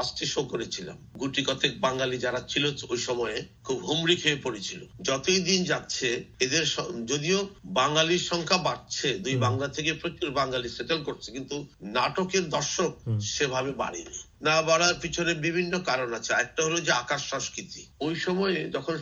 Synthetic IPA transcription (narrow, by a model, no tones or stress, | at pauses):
asʈʰiʃokoɾet͡ɕʰila̰mɡuʈikɔt̪ek̚baŋalid͡ʑaɾat͡ɕʰiloojʃɔmɔekʰubɦumɾikʰeepoɾet͡ɕʰilod͡ʑɔt̪ojd̪ind͡ʑatːɕʰeed̪eɾʃɔd͡ʑod̪iobaŋaliɾʃɔŋkʰabaɾt͡ɕʰed̪ujbaŋlat̪ʰekepɾokːuɾbaŋɡaliseʈelkoɾt͡ɕʰekint̪unaʈokeɾd̪ɔɾʃok̚ʃebʱabeba̰ɽḭnḭ | nabaɽaɾpit͡ɕʰoneɾbibʱinːokaɾonat͡ɕʰea̰ɛk̚ʈaɦolod͡ʑeakaʃːɔŋskɾit̪iojʃɔmɔed͡ʑɔkʰon